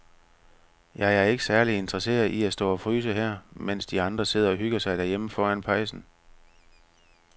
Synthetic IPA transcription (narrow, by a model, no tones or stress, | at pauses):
jɑ̈æɐe̝ɡ̥əsæɐlie̝nd̥ʁɐse̝̰ːɐðˠiæsd̥ɔ̰̽ːɒ̽fʁyːsəɦæɐ̰men̰sd̥iɑ̈nd̥ʁɐse̝ð̰ˠɐɒ̽ɦyɡ̥ɐsɑ̈ɪdɾ̥æɐjeməfɒːænpʰɑ̈ɪsn̩